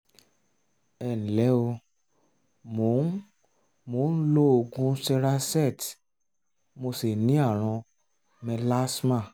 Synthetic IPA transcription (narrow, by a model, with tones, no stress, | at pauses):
ɛ˨nĩ˨lɛ˨˦o˧ | mo˨˦ | mo˨˦n̩˦lo˦o˧ɡũ˦sɛ˧ɾa˧sɛ˦˨t | mo˧se˨nĩ˨˦a˦˨ɾ̃ɔ̃˧ | mɛ̃˧la˦smã˦˨